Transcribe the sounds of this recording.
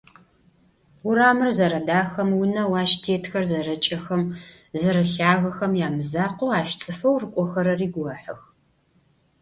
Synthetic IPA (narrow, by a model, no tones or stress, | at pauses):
wʊɾaːmɨrzɐɾɐdaːxɐmwʊnɐwaːʃtʰeːtʰxɐrzɐrɐt͡ʃʼɐxɐm | zɐɾɐɬaːɣɐxɐmjaːmɨzaːqʷoaːʃt͡sʼɨfɐwrɨkʷʼɔxɐɾɐriːɡʷɐħɨ̰x